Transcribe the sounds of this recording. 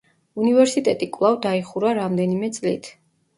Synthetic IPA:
univɛɾsit̪ʼɛt̪ʼikʼwlˠavd̪aiχuɾaɾamd̪ɛnimɛt̪sʼlḭt̪ʰ

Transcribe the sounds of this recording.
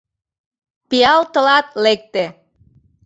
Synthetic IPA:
pijɑlt̪ə̆lɑt̪lek̚t̪e

